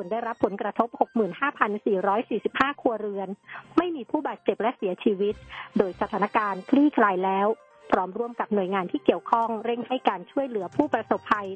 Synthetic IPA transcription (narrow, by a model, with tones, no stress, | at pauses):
su˨˩əndaː˥˩jɾa˦˥pʰːo˩˦nkɾa˧t̪ʰo˦˥p̚ho˨˩k̚mɯː˨˩nhaː˥˩pʰa˧nsiː˨˩ɾɔː˦˥jsiː˨˩si˨˩p̚haː˥˩kʰu˧ɐɾɯ˧ənma˥˩jmiː˧pʰuː˥˩baː˨˩t̪̚t͡ɕe˨˩p̚lɛ˦˥si˨˩˦ɐt͡ɕʰiː˧wi˦˥t̪̚doː˧jsa˧t̪ʰaː˩˦na˦˧˥kaː˧nkʰliː˥˩kʰlaː˧jlɛː˦˥w | pʰɾɔː˦˥mɾu˧˥˩əmka˨˩p̚nu˨˩əjŋaː˧nt̪ʰiː˥˩ki˨˩əwkʰɔ˥˩ŋɾe˥˩ŋha˥˩jkaː˧nt͡ɕʰu˥˩əjlɯ˩˦ɐpʰuː˥˩pɾa˧so˨˩pʰːa˧j